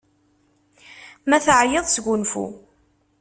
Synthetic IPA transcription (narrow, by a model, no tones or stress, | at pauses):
mæθəʕjəðˤsɡʷʊnfṵ